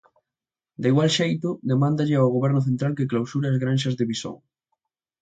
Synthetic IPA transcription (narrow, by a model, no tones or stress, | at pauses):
d̪eiɣwalʃejt̪ʊd̪emãnd̪aʎɪawɣ̞oβɛɾnʊθ̬ẽnt̪ɾalkɪklawsuɾeazɣɾanʃɐzðeβiso̰ŋ